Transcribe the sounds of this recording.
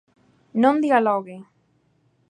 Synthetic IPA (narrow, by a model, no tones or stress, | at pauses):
nõnd̪ialoɣe